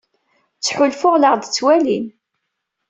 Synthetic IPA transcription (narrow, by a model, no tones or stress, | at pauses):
t͡sːħʊlfʊʁləʁðt͡sːwælin